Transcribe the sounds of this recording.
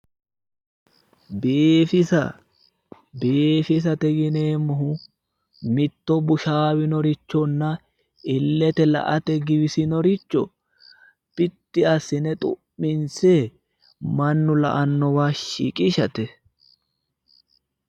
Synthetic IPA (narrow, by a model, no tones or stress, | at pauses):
beːfɪsɐ | beːfɪs̬ɐt̪ɛɡɪneːmɔɦʊ | mɪt̪ːɔbʊʃaːwɪnɔɾɪt͡ʃːɔnːɐ | ɪlːɛt̪ɛlɐ̰ʔɐt̪ɛɡɪbɪsɪnɔɾɪt͡ʃːɔ | pɪt̪ːɪɐsɪnɛt̪ʼʊ̰ʔːɪnse | mɐnːʊlɐ̰ʔɐnːɔwaːʃḭkʼɪʃɐt̪ɛ